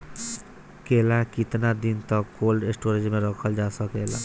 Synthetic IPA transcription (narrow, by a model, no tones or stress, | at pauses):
kelakit̪nad̪int̪ɔkolɖesʈoɾed͡ʒmeɾɔkʰɔld͡ʒasɔkela